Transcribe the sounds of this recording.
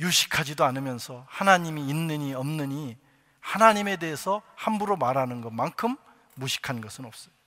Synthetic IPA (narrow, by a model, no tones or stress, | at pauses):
juɕʰi̥kʰad͡ʑidoanɯmjʌnsʰʌhanaɲimiːnːɯɲiʌmnɯɲi | hanaɲime̞de̞esʰʌhambuɾomaɾanɯnɡʌmankʰɯmː | uɕʰi̥kʰanɡʌsʰɯnʌp̚s͈ʌj